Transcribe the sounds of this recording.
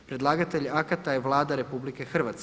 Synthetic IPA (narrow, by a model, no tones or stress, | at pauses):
pɾed̪lˠaːɡat̪eʎakat̪ajeʋlˠaːd̪aɾe̞publike̞xr̩ʋat̪s